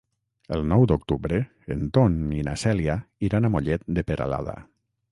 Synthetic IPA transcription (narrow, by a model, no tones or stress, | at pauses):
əlˠnɔwd̪ok̚t̪uβɾeː | nt̪ɔninasɛliaiɾanamoʎɛt̪̚d̪epeɾa̰la̰ða̰